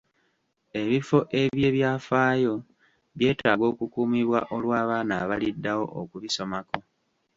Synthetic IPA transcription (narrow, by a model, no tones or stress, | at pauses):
e̞βifo̞ʔe̞βje̞ːβjaːfaːjo̞ | βje̞ːtaːɡo̞ːkukuːmiβwaʔo̞lwaːβaːnaːβalidːawo̞ʔokuβiso̞mako̞